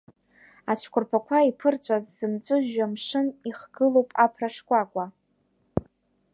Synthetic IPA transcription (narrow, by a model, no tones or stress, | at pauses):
at͡ʃʷʰkʷʰʊrpʰakʷʰaipʰɨrt͡ɕʷʼazːɨmt͡sʷʼɨʒamʂɨniχɡɨlowpʼapʰraʂkʷʼakʷʼa